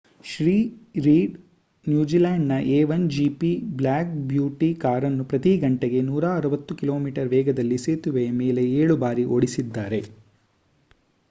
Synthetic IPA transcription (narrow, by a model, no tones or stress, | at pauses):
ʃɾiːɾiːɖ | njuːd͡ʒilaːɳɖnɐʔeːʋɐnd͡ʒipiblaːk̚bjuːʈikaːɾɐnːupɾɐt̪iɡɐɳʈeɡe̞nuːɾaːɐɾuʋɐt̪ːukiloːmiːʈɐɾʋɛːɡɐd̪ɐlːiseːt̪uʋɛjɐmeːle̞eːɭubaːɾiʔoɽisid̪ːaːɾe̞